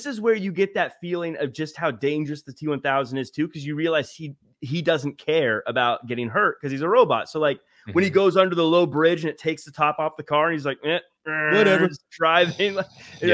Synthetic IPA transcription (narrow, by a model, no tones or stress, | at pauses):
ðɪsɨzwə˞jɨɡɛt̪̚ðɨtfilˠɪ̃ŋʌvd͡ʒʌst̚haʊdẽɪ̃nd͡ʒə˞ɨsðɨtʰiwʌ̃nθaʊzɨ̃n̩dɨz̥tʰʉkʰʌzjɨɹiəlaɪz̥i | idʌzn̩kʰɛɹəbaʊt̚ɡ̥ɛɾɪ̃ŋɦɜ˞t̚kʰʌz̥izəɹoʊbɑ̰tsoʊlaɪk̚ | wɨ̃niɡoʊzʌ̃ndə˞ðəloʊbɹɪd͡ʒɨ̃nɨtʰeɪksðɨtʰɑpɔfðɨkʰɑɹɨ̃nizlaɪk̚mɪt̚ | wʌɾɛzd̥ɹaɪvɪ̃ŋlaɪ